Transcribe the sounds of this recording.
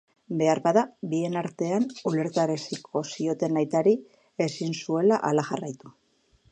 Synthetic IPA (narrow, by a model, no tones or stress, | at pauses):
be̞aɾbaðabie̞naɾt̪e̞anule̞ɾt̪aɾesikʰo̞sio̞t̪e̞najt̪aɾi | e̞sinsue̞laʔalaʝarajt̪u